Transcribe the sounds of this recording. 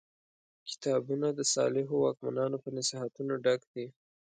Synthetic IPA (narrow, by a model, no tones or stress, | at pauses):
kɪ̥t̪ɑbunad̪əsɑ̰lɪɦowɑk̚manɑnopənasiɦat̪unoɖakd̪i